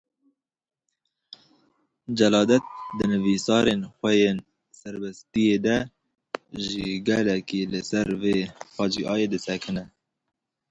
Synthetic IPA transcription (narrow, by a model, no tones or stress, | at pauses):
d͡ʒɛlɑːd̪ɛt̪̚d̪ɨnɨvisɑːɾenxʷɛjen | sɛɾbɛst̪ijed̪ɛ | ʒiɡɛlɛkilɨsɛɾveːfɑːd͡ʒiʔɑːjed̪ɨsɛkʰɨnɛ